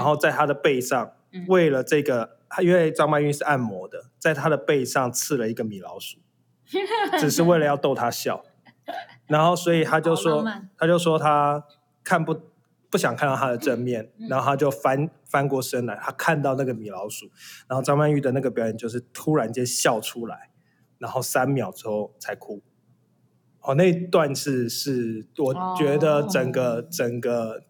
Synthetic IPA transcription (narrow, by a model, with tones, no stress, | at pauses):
a˧˥nxo˥˧ʊt͡sa˥˩ɪt̪ʰa˥d̪ə˨pe˥˧ɪʂɑ˥˩ŋ | we˥˩ɪlə˩ʈ͡ʂɤ˥˩ɡə˩ | t̪ʰa˥i˥nwe˥˧˩ɪʈ͡ʂɑ˥ŋma˥˧ny˥˧ʂɻ̩˥˧a˥˩nmwɔ˧˦˥d̪ə˨t͡sa˥˩ɪt̪ʰa˦d̪ə˨pe˥˩˧ɪʂɑ˥˩ŋt͡sʰɹ̩˥˩lə˩i˧˦˥ɡə˨mi˨˩lɑ˧˥ʊʂu̥˨˦ | ʈ͡ʂɻ̩˨˩ʂɻ̩˥˧we˥˩ɪlə˩˦jɑ˥˧ʊt̪o˥˧ʊt̪ʰa˦ɕjɑ̰˥˩ʊ | na˧˥nxo˥˩ʊswɔ˧˥i˨˩t̪ʰa˥t͡ɕjo˥˩ʊʂwɔ˥t̪ʰa˥t͡ɕjo˥˩ʊʂwɔ˥t̪ʰa˦ | kʰa˥˧npu˥˩ | pu˥˩ɕjɑ˨˩ŋkʰa˥˧nt̪ɑ˥˧˩t̪ʰa˥d̪ə˨˩ʈ͡ʂə˥˧nmjɛ˥˩nna˨˧nxo˥˧ʊtʰa˥t͡ɕjo˥˩ʊfa˦n | fa˥nkwɔ˥˩ʂə˥nla˧˦ɪt̪ʰa˦˥kʰa˥˧nt̪ɑ˥˧ʊna˥˩ɡə˩mi˨˩lɑ˧˥ʊʂu˨˩na˨˦nxo˥˧ʊʈ͡ʂɑ˥ŋma˥˧ny˥˩d̪ə˨˩na˥˩ɡə˩p̬jɑ˨˦ʊjɛ˨˩nt͡ɕjo˥˧ʊʂ̬ɻ̩˥˩t̪ʰu˦ɻa˧˦nt͡ɕɛ˥nɕjɑ˥˩ʊʈ͡ʂʰu˦la̰˨˦ɪ | na˧˥nxo˥˩ʊsa˦nmjɑ˨˩ʊʈ͡ʂɻ̩˥xo˥˨ʊt͡sʰa˧˥ɪkʰu˦˥ | ɔ˨˩na˥˧i˦˥t̪wa˥˧nʂ̩ʰ˥˧ʂɻ̩˥˩wɔ˨˩t͡ɕɥɛ˧˥d̪ə˨ʈ͡ʂə˨˩ŋɡə˨ʈ͡ʂə˨˩ŋɡə˩